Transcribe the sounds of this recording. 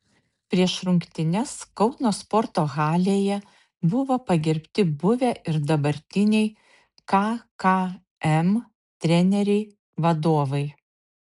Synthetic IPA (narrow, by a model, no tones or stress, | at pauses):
pʲɾʲiɛʃɾʊŋʲkt̪ʲɪnʲɛskɒʊnoːspɔɾt̪oːɣɑːlʲeːjɛ | bʊʋoːpɐɡʲɛɾʲpʲt̪ʲɪbʊʋʲæʔɪɾd̪ɐbɐɾʲt̪ʲɪnʲɛɪ | kɐkɐ | ɛm | t̪ʲɾʲɛnʲɛɾʲɛɪ | ʋɐd̪oːʋɐɪ